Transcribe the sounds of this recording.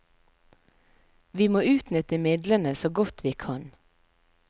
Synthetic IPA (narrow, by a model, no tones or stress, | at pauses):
ʋiːmoːʉːt̪nʏt̪əmɪd̪lənəsoːɡɔt̪ʰʋiːkʰɑn